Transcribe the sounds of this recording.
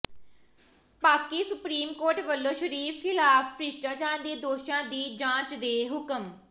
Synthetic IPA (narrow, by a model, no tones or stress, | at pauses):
paːkiːsʊpɾiːmkoːɾʈʋəlːõːʃəɾiːfkʰɪlaːfpɾɪʃʈãːt͡ʃaːɳd̪eːd̪oːʃãːd̪iːd͡ʒãːt͡ʃd̪eːɦʊkəm